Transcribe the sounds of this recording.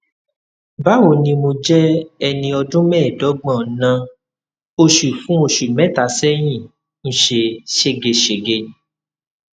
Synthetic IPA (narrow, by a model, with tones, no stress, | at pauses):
ba˨˦o˨nĩ˧mo˧d͡ʒɛ˦ɛ˧nĩ˧ɔ˧dũ˦mɛ̃˦˨dɔ˨˦ɡ͡bã˦˨˦nã˧ | o˧ʃu˨fũ˦o˧ʃu˨mɛ̃˦ta˨˦sɛ˦j̃ĩ˦˨ | ñ̩˨ʃe˧ʃe˧ɡe˧ʃe˨ɡe˧˨˦